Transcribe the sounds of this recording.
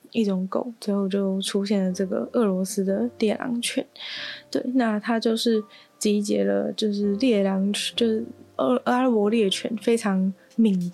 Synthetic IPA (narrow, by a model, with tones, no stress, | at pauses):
i˥˩ʈ͡ʂʊ˨˩ŋko̰˨˩˦ʊt͡swɛ˧˩xo˥˧ʊt͡ɕjo˥˩ʊʈ͡ʂʰu˥ɕjɛ˥˩nlə˩ʈ͡ʂɤ˥˩ɡə̰˩ʔɤ˥˩lwɔ˧˥sɹ̩˥d̪ə˨ljɛ˥˩lɑ̰˧˥ŋt͡ɕʰɥɛ˧˥nt̪we˥˩ɪna˥˩t̪ʰa˥t͡ɕjo˥˧ʊʂɻ̩˥˩ | t͡ɕi˧˥t͡ɕjɛ̰˧˥lə̰˧t͡ɕjo˥˧ʊʂ̬ɻ̩˥˩˧ljɛ˥˩lɑ˧˥ŋʰ˥t͡ɕo˥˧ʂ̩˩˥˧a˥pwɔ˧˥ljɛ˥˩t͡ɕʰɛ̰˧˥nfe˥ɪʈ͡ʂʰɑ˧˥ŋ | mi˨˧˩ŋ